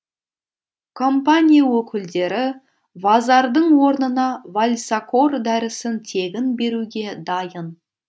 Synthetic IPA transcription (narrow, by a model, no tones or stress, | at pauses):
kʰo̞mpanʲijawɵkʲɪld̪e̞ɾɪ | vɑzɑɾd̪əɴwo̞ɾnənɑvalʲsako̞rd̪æɾɪsɪnt̪ʰe̞ɡʲɪnbe̞ɾuɡʲe̞d̪ɑjən